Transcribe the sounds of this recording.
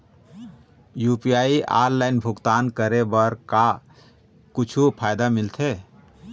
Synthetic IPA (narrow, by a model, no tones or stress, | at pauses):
jupiaiʔa̰ɾlaɪnbʱukt̪aːnkəɾebəɾka | kut͡ʃʰupʰajd̪amilt̪ʰe